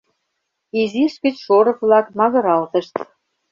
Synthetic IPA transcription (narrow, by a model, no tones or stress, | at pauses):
iziʃkət͡ɕʃoɾɤ̆kβlɑkmɑɣɤ̆ɾɑlt̪ə̆ʃt̪